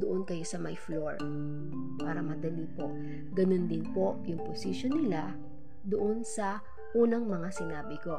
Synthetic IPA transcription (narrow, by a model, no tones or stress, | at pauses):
d̪ʊʔonkɐjo̞sɐmɐjfloɹ | paːɾɐmɐd̪ɐlipo̞ʔ | ɡɐnond̪ɪnpo̞ʔjʊŋposɪʃonːɪla | d̪oʔo̞nsɐ | ʔuːnɐŋmɐŋasɪnaːbɪko̞